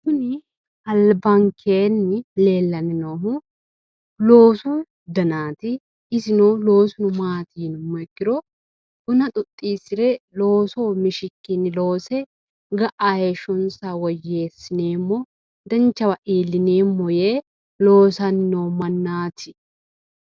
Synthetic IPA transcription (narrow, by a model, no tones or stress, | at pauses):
sʊnɪ | ɐlbɐŋkʰeːnːɪle̞ːlːɐnɪnoːɦʊ | lo̞ːsuː | d̪ɐnaːt̪ɪ | ɪsɪnoːlo̞ːsʊnʊmaːt̪iːnʊmːɔɛkːɪɾɔ | ʔʊnɐt̪ʼʊt̪ʼːiːsɪɾɛlo̞ːsoːmɪʃɪkːɪnːɪlo̞ːsɛ | ɡɐʔaːjeʃɔnsawɔjːeːsːɪneːmːɔ | d̪ɐnt͡ʃːɐwɐʔeːlːɪneːmːɔjeː | lo̞ːsɐnːoːmɐnːaːt̪ʰɪ̥